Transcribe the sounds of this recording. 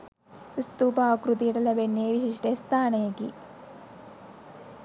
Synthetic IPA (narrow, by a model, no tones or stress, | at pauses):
ist̪uːpaːkɾut̪ijʈɐlɐbenːeːʋiʃiʂʈest̪ʰaːnɐjekḭ